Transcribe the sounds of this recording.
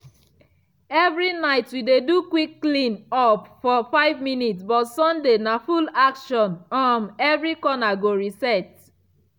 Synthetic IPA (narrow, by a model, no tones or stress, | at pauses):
ɛvɹinaɪtwidedukwiklĩnɔpfɔfaɪvminitsbɔtsɔ̃ndenafulakʃɔ̃nɔ̃nɛvɹikɔnaɡoɹisɛt̚